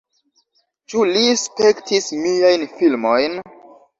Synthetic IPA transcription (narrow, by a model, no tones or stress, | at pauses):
t͡ʃulispektʰismiajnfilmojn